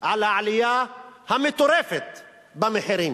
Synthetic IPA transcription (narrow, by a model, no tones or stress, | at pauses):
ʕalaaʕlɪjaːhamːɪt̪ʊɾeːfɪt̪ | bamɪħɪɾiːn